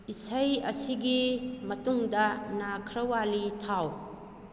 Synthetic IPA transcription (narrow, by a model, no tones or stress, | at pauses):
isɐjɐsiɡimɐtuŋdɐnakʰɾɐwalitʰaw